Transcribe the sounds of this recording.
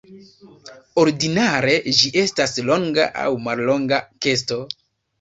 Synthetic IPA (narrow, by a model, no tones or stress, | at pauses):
o̞ɾdinaɾe̞d͡ʒiʔe̞staslo̞ŋɡa̰ʔa̰wmallo̞ŋɡake̞s̬to̞